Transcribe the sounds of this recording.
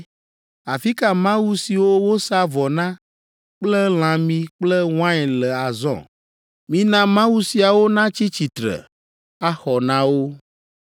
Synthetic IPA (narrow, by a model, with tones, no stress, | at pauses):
a˨fi˦ka˦mã˦wu˦si˨wo˦wo˦sa˦vɔ˨nã˦ | k͡plɛ˦l̃ã˨mĩ˦k͡plɛ˦w̃ã˦ɛ˨lɛ˨a˨zɔ̰̃˦˨ | mĩ˦nã˦mã˦wu˦si˨a˨wo˦nã˦t͡ɕi˦t͡ɕi˨t̪ɾɛ̰˨ | a˦xɔ˨nã˦wo˦